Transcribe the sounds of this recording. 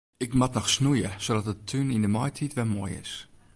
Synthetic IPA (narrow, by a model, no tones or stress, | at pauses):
ɪkmatnɔxsnujəsodɔt̚ətʰːynindəmɔjtʰitʋɛlmoːjɪ̰s